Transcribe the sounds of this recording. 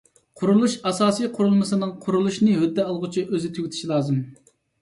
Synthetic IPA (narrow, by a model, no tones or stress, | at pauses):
qʰʊɾulˠuʃɑsɑːsijqʰʊɾulˠmɨsɨnɨŋqʰʊɾulˠuʃnɨɦød̪ːɛɑlˠʁʊt͡ʃʰiʔøzɪt̪ʰyɡʲɪt̪ʰʃilˠɑːzɨm